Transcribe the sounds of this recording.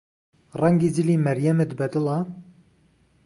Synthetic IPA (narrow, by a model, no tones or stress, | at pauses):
rɛŋɡiːd͡ʒɪliːmɛɾjɛmed̪bɛd̪ɨlɑː